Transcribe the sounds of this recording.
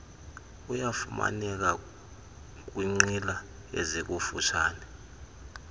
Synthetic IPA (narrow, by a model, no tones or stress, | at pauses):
ujafuma̰nɛk̬a | k̬ʼwiŋ͡ǀila | ɛzik̬ʼufut͡ʃʰaːnɛ